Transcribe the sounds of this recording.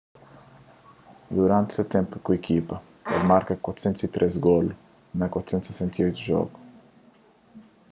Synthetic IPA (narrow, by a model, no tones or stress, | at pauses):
d̪uɾãnt̪set̪ẽmpʊkuekʰipɐ | ḛlmaɾkɐkwat̪sẽnt̪ʊsit̪ɾʔesɡol | nɐkwat̪sent̪se̥sẽnt̪iojt̪uʒɔ̰ɡʊ